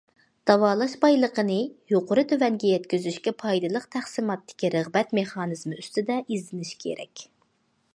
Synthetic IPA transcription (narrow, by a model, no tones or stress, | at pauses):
d̪̥ɑwɑːlˠɑʃbɑjlˠəqʰənɨjoqʰʊɾɨt̪ʰøvɛŋɡʲɛjɛt̪kʲyzyʃkʲɛpʰɑjd̪ɨlˠəqt̪ʰæχsɨmɑt̪ːɪ̥kʲiɾəʁbɛt̪meχɑːnɨzmɨyst̪ɪd̪ɛʔizlɪnɪʃkʲʰḛɾɛ̰kʲ